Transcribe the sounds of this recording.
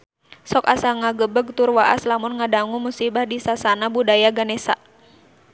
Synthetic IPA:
sɔkasaŋaɡəbəɡ̚t̪urwaʔaslamʊnŋadaŋumusibahdisasanabudajaɡanɛsa̰

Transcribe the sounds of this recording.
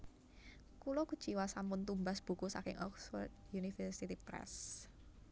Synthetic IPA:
kulɔku̥t͡ʃiwasampʊnt̪umbasb̥ṳkusa̰kɪŋʔɔkswɔ̰rt̪̚junifɛrsit̪ipɾɛ̰s

